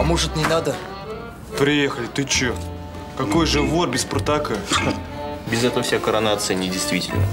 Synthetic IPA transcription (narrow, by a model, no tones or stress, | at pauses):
ɐmoʐɨt̪nʲɪnad̪ə | pɾʲɪjexəlʲɪt̪ɨt͡ɕo | kɐko̞jʐɨvorbʲɪsprt̪akə | bʲɪzɛt̪əvəfsʲakəɾɐnat̪sɨjənʲɪdʲɪjst̪vʲitʲɪ̰lʲnə̰